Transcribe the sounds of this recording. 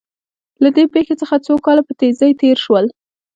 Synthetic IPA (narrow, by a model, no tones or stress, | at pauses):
lad̪epexet͡səxat͡sokɑlapət̪ezəjt̪eɾʃwəl